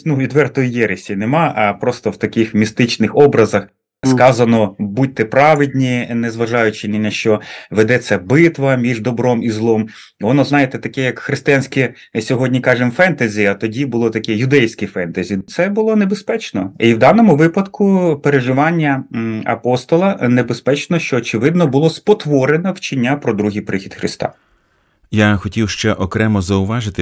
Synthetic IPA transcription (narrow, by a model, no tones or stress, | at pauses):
nuʋʲid̪ʋɛrt̪ɔjijɛɾesʲinemɑɐpɾɔst̪ɔwt̪ɐkɪxmʲist̪ɪt͡ʃnɪxɔbɾɐzɐx | skɑzɐnɔbut̚ʲt̪ʲːɪpɾɑʋɪdʲnʲinezʋɐʒɑjʊt͡ʃɪnɪnɐʃt͡ʃɔʋed̪ɛsʲɐbɪt̪ʋɐmʲiʒd̪ɔbɾɔmizlˠɔm | ʋɔnɔznɑjet̪ɛt̪ɐkɛjɐkxɾɪst̪ɪjanʲsʲkʲɪ | sʲɔɦɔdʲnʲikɑʒɪmfɛnt̪ɐzʲiɐt̪ɔdʲibʊlˠɔt̪ɐkɛjʊd̪ɛjsʲkʲɪfɛnt̪ɐzʲit̪sɛbʊlˠɔnebespɛt͡ʃnɔ̰iwd̪ɑnɔmʊʋɪpɐd̪kʊpeɾeʒɪʋɑnʲːɐɐ̰pɔst̪ɔlˠɐnebespɛt͡ʃnɔʃt͡ʃɔːt͡ʃɪʋɪd̪nɔbʊlˠɔspɔt̪ʋɔɾenɔwt͡ʃɪnʲːapɾɔd̪ɾuɦijpɾɪxʲid̪xɾʔɪst̪ɑ̰ | jaxɔtʲiwʃt͡ʃɛʔɔkɾɛmɔzɐʊʋɑʒɪt̪ɪ